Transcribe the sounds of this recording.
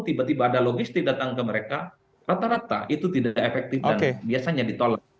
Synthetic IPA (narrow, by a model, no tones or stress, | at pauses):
t̪ibat̪ibaːdaloɡist̪ɪk̚dat̪aŋkəməɾeka | rat̪aɾat̪a̰ʔit̪ut̪idaaʔefɛk̚t̪ɪfodankebiasaɲadit̪ola